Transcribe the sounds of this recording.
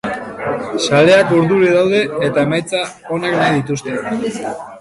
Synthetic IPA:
sale̞akuɾðuɾiðawðe̞ːt̪aemajt͡sa | o̞neknajðit̪ust̪e̞

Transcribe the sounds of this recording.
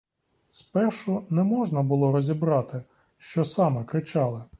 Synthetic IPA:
spɛrʃʊnɛmɔʒnɐbʊlˠɔɾɔzʲibɾɑt̪ɪ | ʃt͡ʃɔsɑmɛkɾɪt͡ʃɑlˠɪ

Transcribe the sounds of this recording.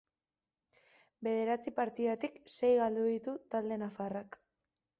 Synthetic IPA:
be̞ð̞e̞ɾat͡sipaɾt̪iðat̪ikse̞jɣald̪uðit̪ut̪ald̪e̞nafarak

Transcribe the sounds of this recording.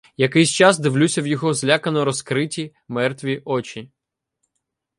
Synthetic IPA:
jɐkɪjsʲt͡ʃɑzd̪ɪwlʲusʲɐwjɔɦɔzlʲakɐnɔɾɔskɾɪtʲi | mɛrt̪ʋʲiʔɔt͡ʃʲi

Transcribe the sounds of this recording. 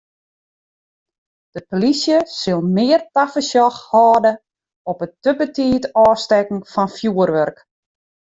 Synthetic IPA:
d̥əpolisjəsɪlˠmɪərtafəsjɔxhɔːdə | ɔpətəbətiːtɔːstɛkŋ̩fɔnfjuərʋørk

